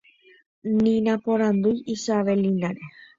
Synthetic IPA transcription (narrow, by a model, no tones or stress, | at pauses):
nĩnãpõɾ̃ãnd̪ujisaʋelinaɾe̞